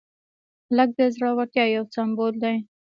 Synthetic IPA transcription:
lək̚d̪əzɾɑwaʈ̪jɑjawsambold̪aj

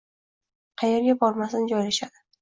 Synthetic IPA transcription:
qʰɑjeɾɡʲabɒɾmasɪnɪd͡ʒɒjlaʃad̪ɪ

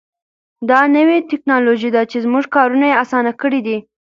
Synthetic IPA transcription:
d̪ɑnəwet̪ɪknɑloʒid̪at͡ʃezmuʐkɑɾunajeasɑnakəɽid̪i

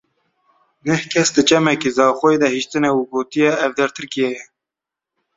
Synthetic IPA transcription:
nɛhkʰɛsd̪ɨt͡ʃɛmɛkeːzɑːxoed̪ɛhiʃt̪ɨnɛuɡoːt̪ijɛɛvd̪ɛɾt̪ʰɨɾkijɛjɛ

